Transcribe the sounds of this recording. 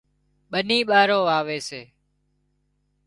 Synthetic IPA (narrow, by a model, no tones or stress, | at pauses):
ɓənĩːɓaːɾoːaːʋeːseː